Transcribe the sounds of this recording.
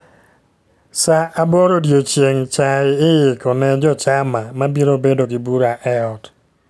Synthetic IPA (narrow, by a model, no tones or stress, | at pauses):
saʔabɔɾodjot͡ʃjeŋt͡ʃaɪɪjɪkɔnɛd͡ʒɔt͡ʃamamabiɾobedoɡɪbuɾaʔɛɔt